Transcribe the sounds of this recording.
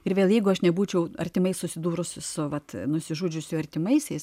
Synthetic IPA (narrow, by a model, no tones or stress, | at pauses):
ɪɾʋʲeːlˠjɛɪɡʊɐʃnʲɛbuːt͡ʃʲɛʊɐrʲt̪ʲɪmɐɪssʊsʲɪd̪uːɾʊssʊʋɐt̪nʊsʲɪʒuːd͡ʒʲʊsʲjʊɐrʲt̪ʲɪmɐɪsʲɛɪs